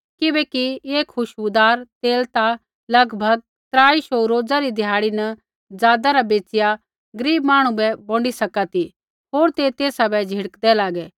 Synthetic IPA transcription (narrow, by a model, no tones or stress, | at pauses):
kɪbɛːkieːkʰxʊʃud̪aːɾt̪eːlt̪a | lɐɡbʱɐɡ̚ | t̪ɾaːiʃoːɾoːd͡zaɾid̪ʱɪjaːɽinɐ | d͡zaːd̪aɾabeːt͡ʃɪja | ɡəɾiːbmaːɽ̃ũbɛbõːɳɖisɐkat̪i | ɦoːɾt̪et̪eːsabɛd͡ʒʱɪɽəkd̪ɛlaːɡɛː